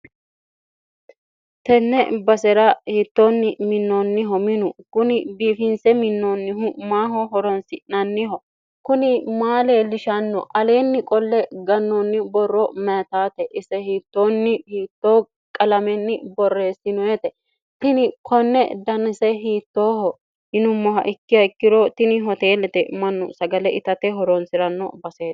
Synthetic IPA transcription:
t̪ɛnːɛbɐsɛɾɐhiːt̪ːo̞ːnːɪmɪnːoːnːɪɦɔmɪnʊkʊnɪbiːfɪnsɛmɪnːoːnːɪɦʊmaːɦɔɦɔɾɔnsɪnɐnːɪɦɔ | kʊnɪmaːleːlɪʃɐnːɔ̰ʔɐle̞ːnːɪkʼɔlːɛɡɐnːonːɪbɔrːɔmɛːt̪aːt̪ɛʔɪsɛhiːt̪ːoːnːɪhiːt̪ːoː | kʼɐlɐmɛnːɪbɔrːe̞ːsɪnɔjɛt̪ɛ | t̪ɪnɪkʰɔnːɛ̰d̪ɐnɪsɛɦiːt̪ːoːhɔ | hɪnʊmːɔɦɐ̰ʔɪkːɪɐkːɪɾɔt̪ɪnɪɦɔt̪eːlɛt̪ɛmɐnːʊ̰sɐɡɐlɛʔɪt̪ɐt̪ɛɦɔɾɔnsɪɾɐnːɔ̰bɐseː

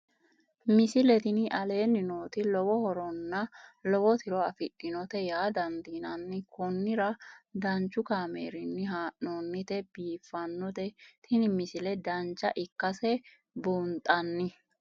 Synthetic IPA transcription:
mɪsɪlɛt̪ɪnɪʔɐle̞ːnːɪno̞ːt̪ɪlɔwɔhɔɾɔnːɐlɔwɔt̪ʰɪɾɔɐfɪkʼːɪnɔt̪ɛjaːd̪ɐnd̪iːnɐnːɪkʰɔnːɪɾɐd̪ɐnt͡ʃːʊkaːmḛːɾɪnːɪɦaːʔnoːnːɪt̪ɛbiːfːɐnːɔt̪ɛt̪ʰɪnɪmɪsɪlɛd̪ɐnt͡ʃːɐʔɪkːɐsɛ | bunt̪ʼɐnːɪ

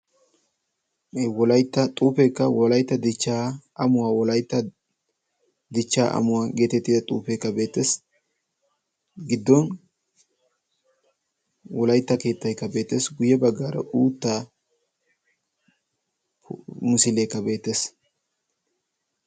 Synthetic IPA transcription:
wɔlɐjt̪ːɐt̪ʼuːfekːɐwɔlɐjt̪ːɐd̪ɪt͡ʃːaːɐmʊwaːwɔlɐjt̪ːɐ | d̪ɪt͡ʃːaːʔɐ̰mʊwaːɡe̞ːt̪ɛt̪ːɪd̪ɐt̪ʼuːfekːɐbe̞ːt̪ːes | ɡɪd̪ːɔn | wɔlɐjt̪ːɐke̞ːt̪ːɐjkːɐbe̞ːt̪ːeːsɡʊjɛbɐɡːaːɾɐ̰ʔuːt̪ːaː | mʊsɪlejkːɐbe̞ːt̪ːe̞ːs

